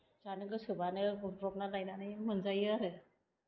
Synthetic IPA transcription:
d͡zanek̬əsubʱaneɾoknalajnanajm̤ənd͡zajaɾe

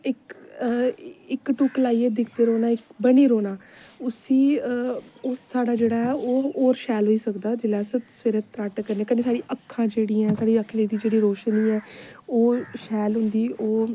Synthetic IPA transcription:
ɪk | ɪkʈuːklaːiːeːd̪ɪkʰd̪eːɾoːnaːɪkbəniːɾoːnaːʊsiː | ʊsːaːɖaːd͡ʒeːɽaːɛːoːoːɾʃɛːlɦoːiːsəkd̪aːd͡ʒɪlɛːsəsɪɾət̪ːɾaːʈkəɾnẽːkəneːsaːɽiːʔəkʰːãːd͡ʒeːɽiːãːsaːɽiːəkʰːneːd̪iːd͡ʒeːɽiːɾoːʃəniːɛːoːʃɛːlɦʊ̃nd̪iːoː

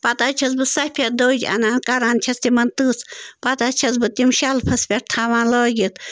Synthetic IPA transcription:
pɐt̪at͡ʃʰɐzbɨsɐhpʲʰɐɾd̪oːd͡ʒɐ̰naːnkɐɾaːnt͡ʃʰɐst̪imɐnt̪ɨːspɐt̪at͡ʃʰɐzbɨt̪imʃalpʰɐspʲeʈ̚t̪ʰaːʋãːnlɔːɡʲit̪

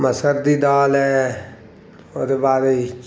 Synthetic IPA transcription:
məsəɾd̪iːd̪aːlɦɛː | oːd̪eːbaːɾe

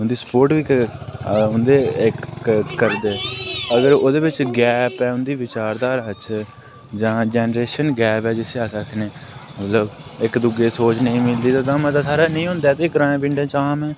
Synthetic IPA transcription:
ʊnd̪iːspoːɾʈʋiːk | ʊnd̪eːɪkkəɾd̪eːəɡəɾoːd̪eːʋɪt͡ʃɡɛːpɛːʊnd̪iːʋɪt͡ʃaːɾd̪aːɾət͡ʃʰ | d͡ʒãːd͡ʒɛːnəɾeːʃənɡɛːpɛːd͡ʒɪseaːsəkʰneːmət̪ləbɪkd̪ʊɡeːsoːt͡ʃnəĩːmɪld̪iːt̪ãːd̪ãːmə̃t̪aːsaːɾaːnəĩːɦõːnd̪ɛːt̪eːɪkɾaːẽːp̬ɪɳɖẽːt͡ʃaːmɛː

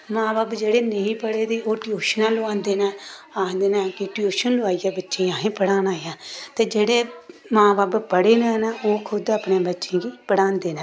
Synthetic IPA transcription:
mãːbaːbd͡ʒeːɽeːnəĩːpəɽeːd̪eːoːʈɪoːʃnãːloãːnd̪eːnɛː | aːnd̪eːnɛːkeːʈɪoːʃənloaːiːaːbətːʃẽaːɦẽːpəɽãːnaːejãːt̪eːd͡ʒeːɽeːmãːbaːbpəɽeːnẽːnaoːkʰʊd̪əpnẽːbətːʃẽːɡiːpəɽãːnd̪eːnɛː

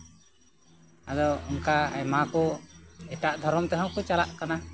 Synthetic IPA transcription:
ad̪ɔɔmkaa̰jmakɔɛʈaʔd̪ʱɔɾɔmt̪ɛɦɔwkɔt͡ʃalaʔkana

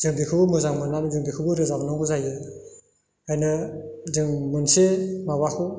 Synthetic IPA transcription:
z̥ɯŋbikʰɯbɯmɯzaŋmɯnamzɯŋbikʰɯbɯɾɯzamnɔŋɡɯzajɯ | ajnɯzɯŋmɯnsemawakʰɯ

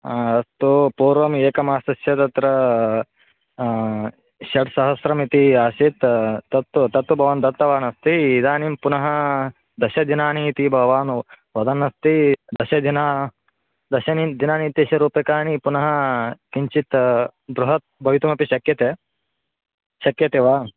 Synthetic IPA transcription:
ɐst̪upuːɾʋɐmeːkɐmaːst̪ɐsjɐt̪ɐt̪ɾɐ | ʃɐʈsɐɦɐsɾɐmit̪iaːʃit̪ːɐt̪ːt̪ɐt̪ːubʱɐʋɐːnd̪ɐt̪ːɐʋaːnɐst̪iːd̪aːnimpunɐɦɐ | d̪ɐʃɐd̪inaːniːt̪ibʱɐʋaːnu | ʋɐd̪ɐnːɐst̪id̪ɐʃɐd̪inaː | d̪ɐʃɐnid̪inaːniːt̪iʃɐɾuːpɐkaːnipunɐɦɐkiɲt͡ʃit̪bɾuɦɐt̪̚bʱɐʋit̪umɐpiʃɐkjɐt̪eː | ʃɐkjɐt̪eʋaː

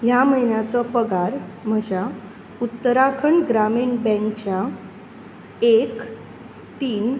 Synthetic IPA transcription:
jaməɦjnjat͡sɔpəɡaɾm̤əd͡ʑja | ut̪ːəɾakʰəɳɡɾamiːɳbɛ̃ŋkt͡ɕja | ek | t̪iːn

